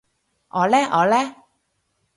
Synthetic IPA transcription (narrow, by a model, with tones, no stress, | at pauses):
ʔɔː˨˧lɛː˥ʔɔː˨˧lɛː˦˥